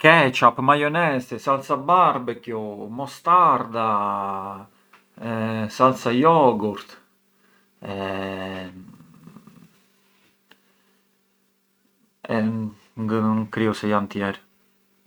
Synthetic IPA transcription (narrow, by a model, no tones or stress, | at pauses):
kɛt͡ʃapmajɔnɛst̪esalt̪sabaɾbəkjɔmɔst̪aɾd̪a | salt̪sajɔɡuɾt̪ | ɛ | ɛ | ŋɡəŋkɾiosɛjant̪jɛɾ